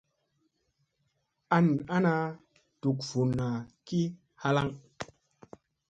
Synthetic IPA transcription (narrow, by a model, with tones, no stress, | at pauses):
a˦na˦na˧ | tu˨kfu˨na˨ki˦ | ha˦la˦ŋ